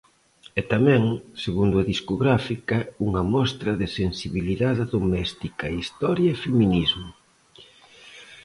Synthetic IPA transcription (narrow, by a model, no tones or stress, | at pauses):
ɛt̪amɛ̃ŋseɣund̪ʊɐðiskoɣɾafikɐuŋɐmɔst̪ɾɐðɪsensiβiliðaðɪðomɛst̪ikɐist̪ɔɾjɐefeminizmʊ